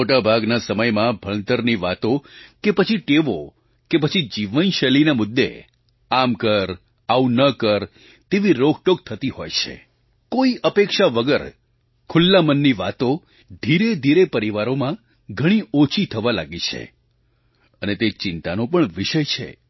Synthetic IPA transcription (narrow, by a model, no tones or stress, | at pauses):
moʈabʱaɡnasəməjmãbʱəɭ̃nt̪əɾniʋat̪okepət͡ʃʰiʈeʋo | kepət͡ʃʰid͡ʒiʋənʃəlinamʊd̪ʱːḛ | amkəɾ | aunəkəɾ | t̪eʋiɾoɡʱʈok̚t̪ʰət̪iɦo̰jt͡ʃʰḛ | koiʔəpekʃaʋəɡəɾ | kʰʊlːamənːiʋat̪o | d̪ʱiɾed̪ʱiɾepəɾiʋaɾomã | ɡʱəɽ̃iot͡ʃʰit̪ʰəʋala̰ɡit͡ʃʰḛ | ənet̪et͡ʃɪnt̪anõpəɳʋɪʃəjt͡ʃʰḛ